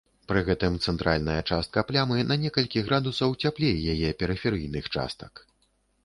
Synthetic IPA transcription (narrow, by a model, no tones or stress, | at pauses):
pɾɨɣɛt̪ɨmt̪sɛnt̪ɾalʲnɐjɐt͡ʂast̪̚kɐplʲamɨnɐnʲɛkɐlʲkʲiɣɾad̪usɐwt͡sʲaplʲejjajɛpʲɛɾɨfʲɛɾɨjnɨxt͡ʂa̰st̪ɐ̥k